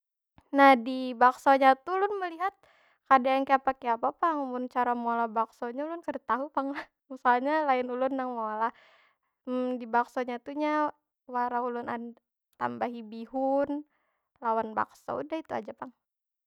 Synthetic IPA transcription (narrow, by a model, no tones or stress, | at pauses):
nahdibaksoɲat̪ulʊnməliɦat̪̚ | kadaankeapakeapapaŋmʊnt͡ʃaɾamolabaksoɲaulʊnkəɾət̪aɦupaŋ | usaɲalaɪnulʊnːaŋmola | dibaksoɲat̪uɲa | waɾaulʊnad | t̪a̰mbaɦibiɦʊn | lawanba̰kso̰ṵdahit̪ua̰d͡ʒapaŋ